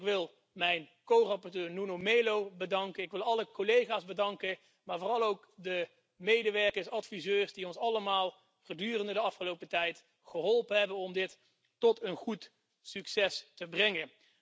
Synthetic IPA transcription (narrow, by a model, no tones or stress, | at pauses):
kʋɪlˠ | mɛjnkowrɑpɔɹtøːɹnunomejlowbədɑŋkənɪkʋɪlˠɑləkolejχaːzbədɑŋkə | maːɹvoːrɑlˠowkdə | mejdəʋɛɹkəɹsɑtfizøːɹsdiɔnsɑləmaːlˠ | v̥ədyːrəndədəɑfχəlowpətɛjt | χəɦɔlˠpənɦɛbənɔmdɪt | tɔtʰənχut | syksɛstəbrɛŋən